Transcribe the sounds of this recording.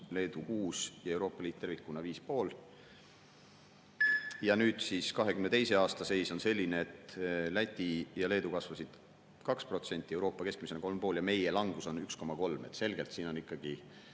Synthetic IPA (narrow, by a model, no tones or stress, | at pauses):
le̞ːd̪ukuːsjɑe̞wɾo̞ːpːˑɑliːd̪t̪e̞rvikːˑunɑviːspo̞ːl | jɑnyːd̪̥siskɑɦe̞kymne̞t̪ejse̞ɑːst̪ɑse̞jso̞nse̞lʲːineet̪læt̪ʲːˑijɑle̞ːd̪ukɑsvɑsid̪̥ | kɑkspro̞t̪se̞nʲt̪ʲːˑie̞wɾo̞ːpːˑɑke̞sk̚mise̞nɑko̞lmpo̞ːljɑme̞je̞lɑŋɡ̥uso̞nyksko̞mɑko̞lme̞̰t̪ːˑse̞lɡ̥e̞lt̪siːno̞nikːɑɡ̥i